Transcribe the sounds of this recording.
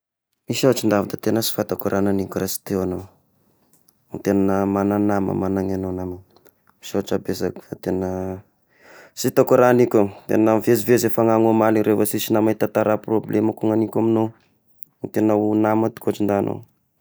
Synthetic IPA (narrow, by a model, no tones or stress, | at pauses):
misaaʈ͡ʂind̪avat̪ḁt̪enəsi̥fat̪akuɾʔananikʲurasi̥t̪ewano | nt̪enanəmananamə̰manaŋanonama | miʃaaʈ͡ʂabezaki̥fat̪enə | sit̪akuɾanikʲot̪ḛnavezivezefaŋaŋomaliɾevasisinamait̪at̪aɾaproblemakuŋanikʲamino | nit̪enəunamat̪i̥kʲoat͡ʃind̪anʔo̰w